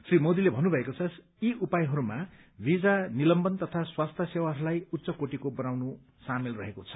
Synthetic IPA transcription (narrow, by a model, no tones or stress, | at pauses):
srimod̪ilebʱʌnːubʱʌekot͡sʰʌs | iupajɦʌɾuma | bid͡zanilʌmbʌnt̪ʌt̪ʰaswast̪ʰʌsewaɦʌɾulajut̪ːsʌkoʈikobʌnawnu | samilrʌɦekot͡sʰʌ̥